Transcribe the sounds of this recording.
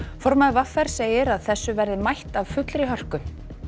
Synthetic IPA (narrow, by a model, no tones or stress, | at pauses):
fɔɾmaðɪvafːɛɾ̥seːjɪɾaðθɛsːʏvɛɾðɪmajht̪av̥fʏt̪lɾɪɦœr̥kʏ